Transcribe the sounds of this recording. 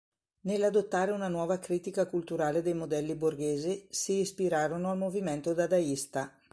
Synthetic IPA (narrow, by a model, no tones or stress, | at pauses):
nelːad̪ot̪ːaːɾeunanwɔːvakɾiːt̪ikakult̪uɾaːled̪ejmod̪ɛlːiborɡeːzisiːspiɾaːɾonoalmoviment̪od̪ad̪aist̪a